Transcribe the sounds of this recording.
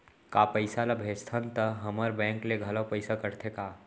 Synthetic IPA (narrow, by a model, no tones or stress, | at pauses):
kaːpəɪsalɐbʱeːst̪ʰənt̪ɐɦɐməɾbɛ̃ːŋkleɡʱɐlapəɪsakɐɾt̪ʰekaː